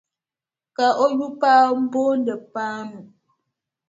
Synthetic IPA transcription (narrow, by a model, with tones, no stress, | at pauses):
ka˨ʔo˦ju˦pa˦m̩˦bo˦n̩˦də˨pa˦nu˨